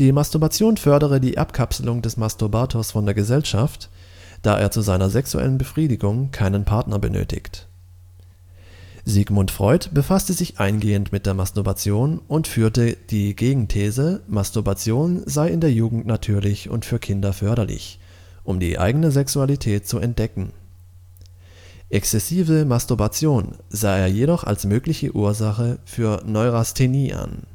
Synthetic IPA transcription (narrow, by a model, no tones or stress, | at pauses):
d̥iːmastʊɐbat͡sjoːnfœɐɾəʁ̞ədiːʔapkʰapsl̩ʊŋdɛsmastubaːtʰosfɔndeːɐɡəzɛlʃaft | d̥aːʔḛːɐt͡suzaɪnɐzɛksṵʔɛ̰lənbəfʁ̥iːdɪɡʊŋkʰaɪnənpʰaɐtnɐbə̰nø̰ːtɪ̰çt | ziɡmʊntfʁ̥ɔʏtb̥əfastəzɪçʔaɪnɡeːəntmɪt̚d̥eːɐmastʊɐbat͡sjoːnʔʊntfyːɐtəd̥iːɡeːɡŋ̩tʰɛːzəmastuɐbat͡sjoːnzaɪɪndeːɐjuːɡŋ̩tnatʰyːɐlɪçʊ̰ntfyːɐkʰɪndɐfœɐɾɐlɪ̰ç | ʔʊmdḭːʔa̰ɪɡənəzɛksualitʰɛːt̚t͡suɛnt̚d̥ɛkŋ̩ | ʔɛkst͡sɛsiːvəmastuɐbat͡sjoːnzaːeːɐjedɔχa̰lsmøːklɪçəʔuːɐzaχəfyːɐnɔʏʁastʰeniːʔa̰n